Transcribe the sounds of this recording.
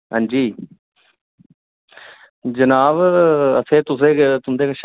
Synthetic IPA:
ɦã̰ːɲd͡ʒiː | d͡ʒənaːʋəsʰẽːt̪ʊsẽːkt̪ʊnd̪eːkʃ

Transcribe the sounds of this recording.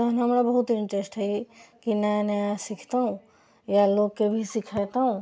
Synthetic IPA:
ɐɦnɦɐmɾabɐɦʊt̪ɪ̃ɳʈɾesʈɦɐikinɛ̃nɛsɪkʰt̪aɦũ | jaloːɡ̚kebʱisɪkʰat̪aɦũ

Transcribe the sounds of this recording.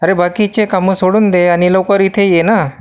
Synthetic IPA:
əɾebakit͡ɕekaməsoɽuːnd̪eanilowkəɾit̪ʰejena

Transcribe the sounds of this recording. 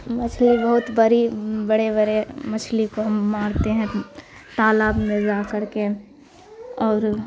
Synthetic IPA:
mɐt͡ʃʰlibɐɦʊt̪bɐɾibɐɽebɐɾemɐt͡ʃʰlikoɦɐmːaːɾt̪eɦɛ̃ | t̪aːlaːbmẽzaːkɐɾke | ɔːɾ

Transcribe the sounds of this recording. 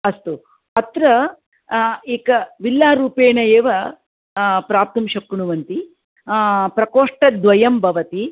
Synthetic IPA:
ɐst̪u | ɐt̪ɾɐ | eːkɐʋilːaːɾuːpeːɳɐjeːʋɐ | pɾaːp̚t̪ɐmʃɐkːuɳuʋɐnt̪i | pɾɐkoːʂʈɐd̪ʋɐjɐmbʱɐʋɐt̪i

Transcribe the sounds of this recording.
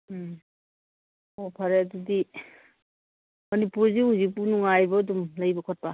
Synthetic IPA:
opʰaɾeɐdudi | mɐnipuɾziɦuzik̚punuŋajbɐːdumlɐjbɐkʰɔt̚pa

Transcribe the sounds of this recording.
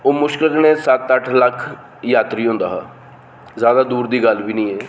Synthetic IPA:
oːmʊʃkɪlət̪neːsət̪əʈʰləkʰ | jaːt̪ɾiːɦõːnd̪aːɦaː | zjaːd̪aːd̪uːɾd̪iːɡəlbiːnĩːɛː

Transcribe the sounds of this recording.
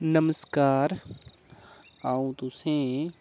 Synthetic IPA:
nəməskaːɾ | aːũt̪ʊsẽ

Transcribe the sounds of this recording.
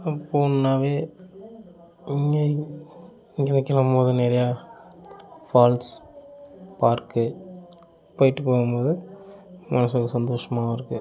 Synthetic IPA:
ɐpːoːnnaːʋeː | ɪŋɡe | iŋɡɛnɐkːɛlɐmpoːðɯnɛɾɐjaː | faːlʈs | paːɾkɯ | poːjɪʈːɯpoːɣɯmpoːðɯ | mɐnɐsɔkːɯsɐnd̪oːʂɐmaːɣɐɪɾɯkːɯ

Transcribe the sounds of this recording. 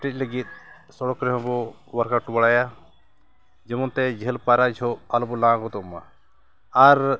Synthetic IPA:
ʈic̚ʲləɡit̪̚ | sɔɽɔkɾɛɦɔ̃bɔ | waɾkaʈubaɽaja | d͡ʒɛmɔnt̪ɛd͡ʒʱəlpaɾad͡ʒʰʱɔalbɔlãɡɔt̪ɔma̰ | aɾ

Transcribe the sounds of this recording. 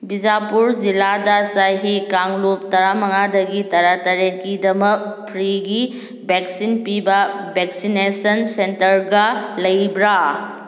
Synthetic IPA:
bid͡ʒapuɾd͡ʒiladɐsajɦikaŋlup̚tɐɾamɐŋadɐɡitɐɾatɐɾeŋkidɐmɐk̚pʰɾiɡi | bʱeksinpibɐbʱeksinesɐnsentɐɾɡɐlɐjbɾa

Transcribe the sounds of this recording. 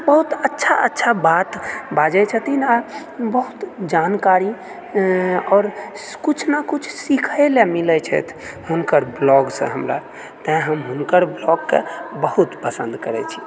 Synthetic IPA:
bəɦut̪ətːʃʰaə̰tːʃʰabat̪bad͡ʒɛt͡ʃʰət̪ina | bəɦut̪d͡ʒankaɾi | ɔːɾ | kut͡ʃʰnakut͡ʃʰsikʰelemilɛt͡ʃʰɛ̰t̪ʰɦunkəɾblɔɡsə̰̃ɦəmɾa̰ | t̪ə̃ɦəmɦunkəɾblɔɡkḛbəɦut̪pəsə̰̃nd̪kəɾɛ̰t͡ʃʰi̥

